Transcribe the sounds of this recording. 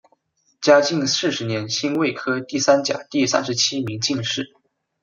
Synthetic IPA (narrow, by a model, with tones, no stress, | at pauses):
t͡ɕja˥t͡ɕi˥˧ŋsɹ̩˥˩ʂɻ̩˧˥njɛ˧˥nɕi˥nwe˥˩ɪkʰɤ˥t̪i˥˩sa˥nt͡ɕja̰˨˩t̪i˥˩sa̰˥nʂɻ̩˧˥t͡ɕʰi˥mi˧˥ŋt͡ɕi˥˧ŋʂɻ̩˥˩